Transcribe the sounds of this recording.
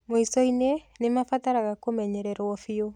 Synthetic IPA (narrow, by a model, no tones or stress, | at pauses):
moisɔinenemafataɾaɣakomɛɲɛɾɛɾwɔfio